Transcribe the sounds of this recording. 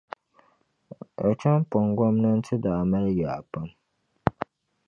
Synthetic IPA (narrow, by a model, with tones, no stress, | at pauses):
a˨t͡ʃa˦m˦pɔ˨ŋɡɔ˦mnɨ˦n̩˦tʰɨ˦da˨ma˦lja˨pa˦m